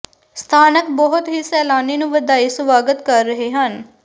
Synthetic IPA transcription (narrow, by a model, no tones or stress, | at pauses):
st̪ʰaːnəkbɔɦʊt̪ɦiːsɛːlaːniːnũʋəd̪aːiːsʋaːɡət̪kəɾːəɦeːɦən